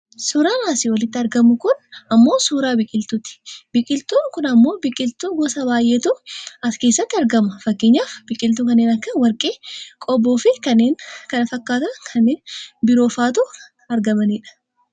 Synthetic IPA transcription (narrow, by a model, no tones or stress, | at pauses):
suːɾaːnaːsɪwɐlɪt̪ːɪɐɾɡɐmʊkʊnɐmːo̞ːsuːɾaːbɪkʼɪlt̪ʊt̪ɪ̥bɪkʼɪlt̪uːkʊnɐmːo̞ːbɪkʼɪlt̪uːɡɔsɐbaːjʔet̪uɐske̞ːsːɐt̪ːɐɾɡɐmɐfɐkːeɲːaːfb̥ɪkʼɪlt̪uːkɐnːeːnɐkːɐwɐɾkʼeːkʼɔbːoːfɪkɐnːeːŋkɐnɐfɐkːaːt̪ɐkʰɐnːeːnbɪɾo̞ːfaːt̪u | ɐɾɡɐmɐniːᶑɐ̥